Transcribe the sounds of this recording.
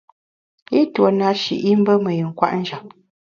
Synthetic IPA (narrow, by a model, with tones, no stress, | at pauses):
i˦two˨na˨˦ʃḭ˨ʔi˦m̩˦bə˦mə˨ji˨ŋ̩˨kwa̰˦ʔn̩˦d͡ʒa˨m̚